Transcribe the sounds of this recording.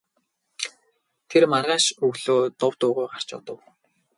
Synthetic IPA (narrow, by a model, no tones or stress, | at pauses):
t̪ʰermarʁaːʃɵɣɮoːt̪ʊwt̪ʊːʁʊːjɢar̥t͡ɕʊ̰t̪ə̆w